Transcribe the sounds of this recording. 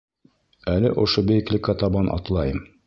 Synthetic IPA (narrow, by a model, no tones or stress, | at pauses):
ælɘʔŏʃobɘ̆jɘ̆klʲɘkɑt̪ɑbɑnʔɑ̰t̪lˠɑjɤm